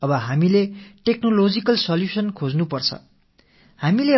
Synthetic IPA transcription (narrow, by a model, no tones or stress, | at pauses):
ʌbʌɦamileʈeknolod͡zikʌlsʌljusʌnkʰod͡znupʌrt͡sʰʌ̰ | hamile